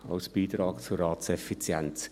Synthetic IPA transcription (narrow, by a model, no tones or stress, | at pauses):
a̰ʊsb̥iːtɾɑːɡt͡suɾɑːtsɛfit͡sjɛnt͡s